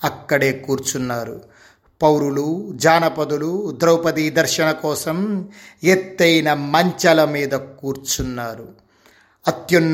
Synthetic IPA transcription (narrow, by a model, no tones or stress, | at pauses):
ɐkːɐɽe̞ːkuːɾt͡ʃunːaːɾṵ | pɐwɾulud͡ʒaːnɐpɐd̪ulud̪ɾɐwpɐd̪id̪ɐɾʃɐɳɐkɔːsɐmet̪ːɐjnɐmɐɲt͡ʃɐlɐmiːd̪ɐkuːɾt͡ʃunːaːɾu | ɐt̪jɐnː